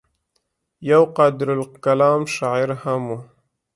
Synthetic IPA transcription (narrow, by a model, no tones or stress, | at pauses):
jawqɑːd̪ɪɾalkalɑːmʃɑɪɾhamu